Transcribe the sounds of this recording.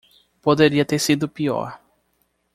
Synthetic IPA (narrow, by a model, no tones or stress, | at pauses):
pod̪eɾiɐt̪eɾsid̪ʊpiɔ̰ɾ